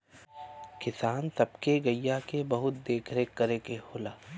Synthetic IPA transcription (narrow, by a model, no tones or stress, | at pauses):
kɪsaːnt̪ɐbkeɡɐijakebɐɦʊt̪̚d̪eːkʰɾekːɐɾekeɦoːlaː